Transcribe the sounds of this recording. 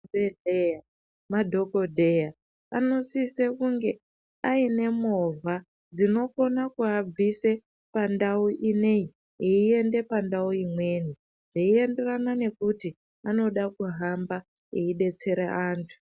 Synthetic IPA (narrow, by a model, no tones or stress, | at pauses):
eea | madʱo̞ko̞dʱe̞ja | ano̞sisekuŋɡe̞ | aine̞mo̞vʱa | d͡zino̞ko̞nakuab͡vise | pandauʔinei | eie̞nde̞pandauimwe̞ːni | ʐ̥eie̞nde̞ranane̞kuti | ano̞ɗakuɦamba | ḛiɗe̞t͡se̞ɾeʔaːntʰu̥